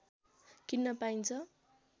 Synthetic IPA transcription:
kinːʌpaint͡sʰʌ

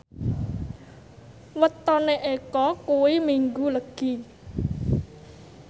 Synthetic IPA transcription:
wət̪ɔneʔekɔkuwimiŋɡuləɡ̥i

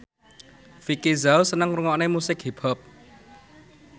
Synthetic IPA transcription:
fikizawsənəŋruŋɔʔnemusɪk̚ɦib̥ɔp̚

